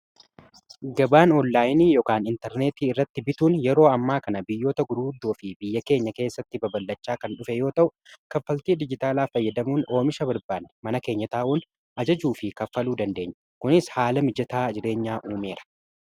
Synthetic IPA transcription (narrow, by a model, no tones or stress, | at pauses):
ɡɐbaːnɔnːaːjɪniːjoːkaːnɪnt̪ɛɾneːt̪iːɪrːɐt̪ːɪbɪt̪uːnjɛɾo̞ːɐmːaːkɐnɐbɪjːo̞ːt̪ɐɡʊɾuːd̪ːoːfɪbɪjːɐke̞ːɲːɐke̞ːsːɐt̪ːɪbɐbɐlːɐt͡ʃːaːkɐnᶑʊfɛjo̞ːt̪ɐʔʊkɐfːɐlt̪iːd̪ɪd͡ʒɪt̪aːlaːfɐjːɐd̪ɐmuːno̞ːmɪʃɐbɐɾbaːnːɛmɐnɐke̞ːɲːɐt̪aːʔuːn | ʔɐd͡ʒɐd͡ʒuːfɪkɐfːɐluːd̪ɐnd̪e̞ːɲːɐ̥ | kʊnɪshaːlɐmɪd͡ʒɐt̪aːd͡ʒɪɾe̞ːɲːaːʔuːme̞ːɾɐ̥